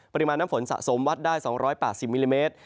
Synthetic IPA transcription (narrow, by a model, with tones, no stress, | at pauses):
pa˧ɾi˧maː˧nːaː˦˥mfo˩˦nsa̰˨˩ʔso˩˦mwa˦˥t̪̚daː˥˩jsɔː˩˦ŋɾɔː˦˥jpɛː˨˩t̪̚si˨˩p̚miː˧liː˧meː˦˥t̪̚